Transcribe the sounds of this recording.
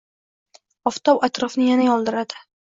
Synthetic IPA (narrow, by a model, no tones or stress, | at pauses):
ɒft̪ʰɒwat̪ɾɒfnɪjanajɒlˠd̪ɪɾad̪ɪ